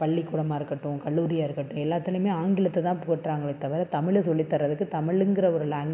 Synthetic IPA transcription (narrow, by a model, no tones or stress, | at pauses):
pɐɭːikːuːɽɐmaːɪɾɯkːɐʈːʊ̃kɐɭːuːɾɪjaːɪɾɯkːɐʈːʊ̃ɛlːaːt̪ːɪlɯmeːaːŋɡɪlɐt̪ːɛt̪ãːpʊɣɐʈːraːŋɡɐɭɐt̪ːɐʋɐɾɐt̪ɐmɪɭesɔlːit̪ːɐrːɐðɯkːɯt̪ɐmɪɭɯŋɡɪɾɐɔɾɯlaːŋ